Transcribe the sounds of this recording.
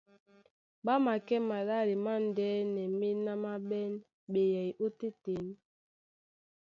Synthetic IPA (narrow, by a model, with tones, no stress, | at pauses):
ɓa˦ma˨kɛ˦ma˨la˦˨ɾi˨ma˦˨n̩˨dɛ˨˦nɛ˨mi˦na˦ma˦ɓɛ˦n | ɓe˨jɛ˨jʔu˦te˦te˨n